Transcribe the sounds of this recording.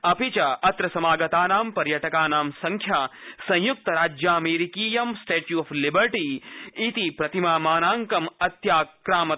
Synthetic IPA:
ɐpit͡ʃɐɐt̪ɾɐsɐmaːɡɐt̪aːnaːmpɐɾjɐʈɐkaːnaːmsɐ̃ŋkʰjaːsɐ̃j̃juk̚t̪ɐɾaːd͡ʒjaːɐmeːɾikiːjɐmsʈeːʈjuɐflibɐɾʈiːit̪ipɾɐt̪imaːmaːnaːŋkɐmɐt̪jaːkɾaːmɐ

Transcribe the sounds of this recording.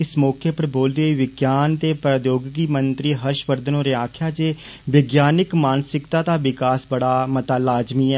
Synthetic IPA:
ɪsmɔːkʰeːpəɾboːld̪eoiːʋɪɡjaːnt̪eːpɾəd̪joːɡɡiːmənt̪ɾiːɦəɾʃʋəɾd̪ʱənõːɾeːaːkʰjaːd͡ʒeː | ʋɪɡjaːnɪkmaːnsɪkt̪ãːt̪aːʋɪkaːsbəɽaːmət̪aːlaːd͡ʒmiːɛː

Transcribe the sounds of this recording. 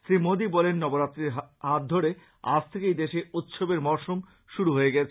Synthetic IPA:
ʃɾimod̪ibɔlenːɔboɾat̪ːɾeɾɦat̪̚d̪ʱoɾe | a̰d͡ʑʰt̪ʰekejd̪eʃeut̪ːʃobeɾmɔɾʃom | ʃuɾuɦoeɡɛt͡ɕʰe

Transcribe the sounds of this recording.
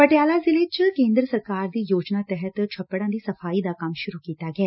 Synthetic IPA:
pəʈjaːlazɪlet͡ʃkẽːnd̪ɾəsəɾkaːɾd̪iːjoːd͡ʒnaːt̪ɛɦət̪t͡ʃʰəpːəɽãːd̪iːsəpʰaːid̪akɐmʃʊɾukiːt̪aːɡɛɛː

